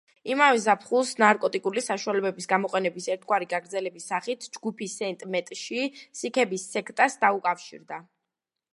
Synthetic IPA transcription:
imavɛzapʰχulˠsnaɾkʼɔt̪ʼikʼulisaʃualɛbɛbisɡamɔqʼɛnɛbisɛɾt̪ʰɡwaɾiɡaɡɾd̪zɛlɛbisːaχit̪ʰd͡ʒɡupʰisɛnt̪ʼmɛt̪ʼʃisikʰɛbisːɛkʰt̪ʼasd̪aukʼafʃḭɾd̪a

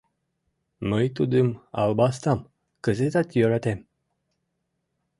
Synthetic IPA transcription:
məjt̪ud̪ɨma̰lbast̪am | kəzet̪at̪ijoɾat̪em

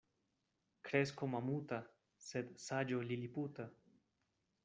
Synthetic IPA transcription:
kɾeskomamut̪a | sed̪sad͡ʒoliliput̪a

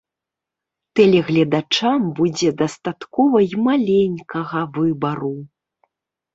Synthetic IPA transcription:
t̪ɛlʲɛɣlʲɐd̪at͡ʂambud͡zʲɛd̪ɐst̪at̪kɔvɐimalʲenʲkɐɣɐvɨbɐɾu

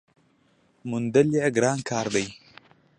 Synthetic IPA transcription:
mund̪ɐliaɡɾaːŋkʰaːɾdəj

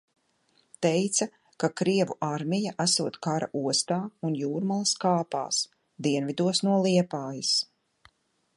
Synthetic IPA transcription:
t̪ɛjt̪sa | kakɾiɛvuʔaɾmʲijaʔasuɔt̪kaɾa̰ʔuɔst̪aːunjuːɾmalˠskaːpa̰ːs | d̪iɛnvid̪uɔsnuɔlˠiɛpaːjis

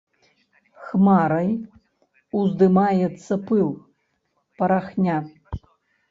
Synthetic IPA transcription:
xmaɾɐj | uzd̪ɨmajɛt̪sːɐpɨlˠ | pɐɾaxnʲa

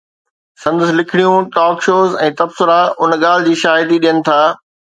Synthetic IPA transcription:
sɐ̃nd̪əslɪkʰɪɽijũʈɔːkʃoːzɛ̃ːt̪ɐbsʊɾaʊnɠaːl̤ɪ̆d͡ʑiːʃaːɦɪt̪iɗijənɪ̆t̪ʰaː

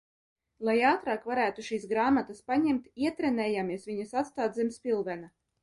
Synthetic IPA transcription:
lˠajaːt̪ɾaːkvaɾæːt̪uʃiːsɡɾaːmat̪aspaɲɛmt̪iɛt̪ɾɛnɛːjaːmiɛsviɲasat̪st̪aːd̪zɛmspʲilˠvɛna

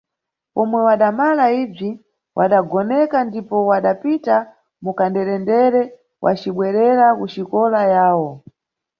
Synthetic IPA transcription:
pɔmwɛwaɗamalaib͡ʐi | wʔaɗaɡɔnɛkandipɔwaɗapita | mukandɛɾɛndɛɾɛ | wʔa̰t͡ʃiɓwɛɾɛɾakut͡ʃikɔlajaːwɔ

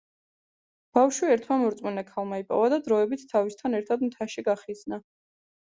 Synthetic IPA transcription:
b̥afʃwiɛɾt̪ʰmamɔɾt̪sʼmunɛkʰalˠmaipʼɔ̰vad̪ad̪ɾɔɛbit̪ʰt̪ʰːavist̪ʰanɛɾt̪ʰad̪mt̪ʰaʃiɡaχizna

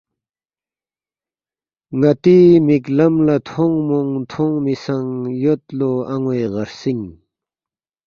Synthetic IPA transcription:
ŋat̪imiklamlat̪ʰoŋmoŋt̪ʰoŋmisaŋjot̪̚loaŋweʁarsiŋ

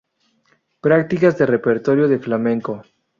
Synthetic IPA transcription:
pɾakt̪ikazðere̞peɾt̪o̞ɾjoðe̞flamẽŋko

